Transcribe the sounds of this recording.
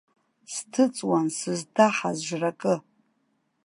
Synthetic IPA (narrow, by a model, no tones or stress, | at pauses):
stʰɨt͡sʼwansɨzdʰaħazʒʷrakʼɨ